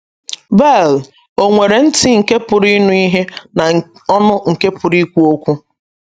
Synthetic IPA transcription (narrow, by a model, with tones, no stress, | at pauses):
bɛ˦˨l | o˨ŋʷe˨ɾe˨n̩˦ti˦ŋ̩˨ke˦pʊ˨ɾi˦nu˦i˦ɦe˦na˨ɔ˦nʊ˦ŋ̩˨ke˦pʊ˨ɾi˦kʷu˦o˦kʷu˦